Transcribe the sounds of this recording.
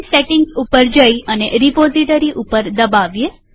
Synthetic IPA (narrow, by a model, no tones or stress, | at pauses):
seʈɪ̃ŋɡupəɾd͡ʒəjəneɾipoziʈəɾiʔupəɾd̪əbaʋje